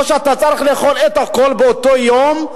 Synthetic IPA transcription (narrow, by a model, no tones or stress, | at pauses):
oʃeat̪at͡saɾiχle̞ːχolet̪akolbeot̪ojom